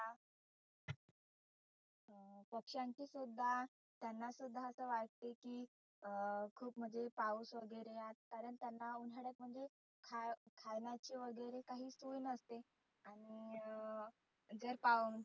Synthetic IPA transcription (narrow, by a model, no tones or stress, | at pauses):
a | pəkʂjaɲt͡ɕiːsud̪ʱːa | t̪janːasud̪ʱːaəsəːʋaʈ̚t̪ekiː | kʰuːpm̤əd͡zepauːsʋəɡəɾeat̪̚kaɾəɳt̪janːaunɦəɽək̚m̤əɳd͡ze | kʰakʰajnjat͡ɕiːʋəɡəjɾekaɦiːsujnəst̪e | aɽ̃i | d͡zəɾpauːn